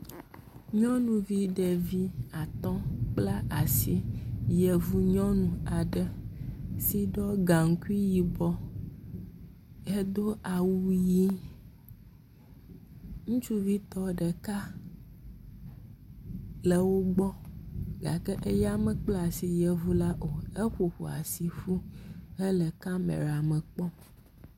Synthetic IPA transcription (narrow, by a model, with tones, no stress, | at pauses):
ɲɔ̃˦nũ˨vi˦ɖɛ˨vi˦a˨t̪ɔ̃˦k͡pla˦a˨si˦jɛ˨vu˦ɲɔ̃˦nũ˨a˨ɖə˦ | si˦ɖɔ˦ɡa˨ŋ̩˦ku˦i˦ji˨bɔ˦ | ɛ˦d̪o˦ʔa˨wu˦ji˦ | ŋũ˦t͡ʃu˦vi˦t̪ɔ˦ɖɛ˨ka˦ | lɛ˨wo˦ɡ͡bɔ˦ɡa̰˨kɛ˦ʔe˦ja˦mɛ˨k͡pla˨si˨jɛ˨vu˦la˦ʔo˨e˦xo˨ɸṵ˨a̰˨si˨ɸu˦ɛ˦lɛ˨ka˦mɛ̰̃˨ɾa˨mə˨k͡pɔ˦